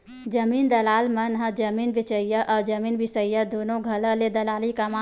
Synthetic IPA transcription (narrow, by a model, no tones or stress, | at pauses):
d͡ʒɐmiːnd̪ɐlaːlmɐnɦɐd͡ʒɐmiːnbɪt͡ʃəjaʔɔːɾd͡ʒɐmiːnbɪsəijad̪oːnõɡʱɐləled̪ɐlaːlikɐmaː